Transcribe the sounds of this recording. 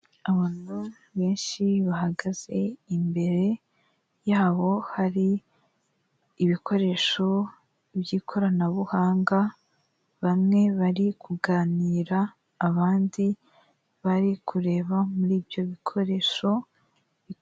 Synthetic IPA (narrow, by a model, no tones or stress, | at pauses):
aβaːn̥hu | βe̞ːnʃiβahaɡaz̥e̞imbe̞ɾe̞ | jaːβo̞haɾi | βikʰo̞ɾe̞ːʃo̞ | bjiːkʰo̞ɾanaβuhaːŋɡa | βamŋe̞βaɾikʰuɡaːniːɾaː | βaːndi | βaɾikʰuɾe̞ːβamuɾiːbjo̞βikʰo̞ɾe̞ːʃo̞ | i